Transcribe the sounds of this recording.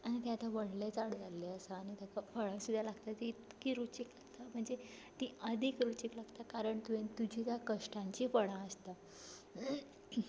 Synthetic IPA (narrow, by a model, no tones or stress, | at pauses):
añit̪ẽat̪ãʋəɽlet͡saɽd͡zalːeəsaːñit̪akafəɭãsud̪ʱːjalaɡt̪at̪iːt̪kiːɾut͡ɕiklaɡt̪am̤əɳd͡zet̪iʔəd̪ʱikɾut͡ɕiklaɡt̪akaɾəɳt̪uẽnt̪ud͡ʑʱit̪jakəʂʈãɲt͡ɕiːfəɽãəst̪a